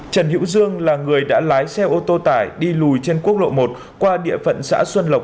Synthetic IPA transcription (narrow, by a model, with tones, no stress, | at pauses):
t͡ɕə˨˩nhḭ˧˥wzɨ˧əŋlaː˨˩ŋɨ˨˩əjɗa̰ː˧˥laː˨˦jsɛ˧ʔo˧t̪o˧t̪aː˧˩jɗi˧lu˨˩jt͡ɕe˧nku˦˥ək̚lo̰˧˨mo˨˩t̚ | kwaː˧ɗḭ˧˨əfə̰˧˨nsa̰ː˧˥swə˧nlə˨˩wk͡p̚